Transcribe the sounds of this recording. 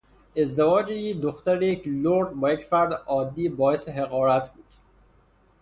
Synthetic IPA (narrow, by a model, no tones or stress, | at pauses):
ezd̪evɒːd͡ʒejid̪oxt̪æɾejecʰloɾd̪bɒːjecfæɾd̪ɒːd̪ːiːbɒːeseɦeɣɒːɾæt̪ʰbuːd̪̥